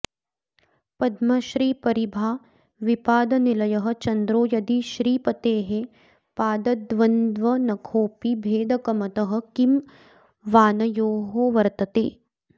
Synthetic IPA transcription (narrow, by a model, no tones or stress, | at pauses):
pɐd̪mɐʃɾiːpɐɾibʱaː | ʋipaːd̪ɐnilɐjɐɦɐ̆t͡ʃɐnd̪ɾoːjɐd̪iʃɾiːpɐt̪eːɦe | paːd̪ɐd̪ʋɐnd̪ʋɐnɐkʰoːpibʱeːd̪ɐkɐmɐt̪ɐɦɐ̆kim | ʋaːnɐjoːɦoʋɐɾt̪ɐt̪eː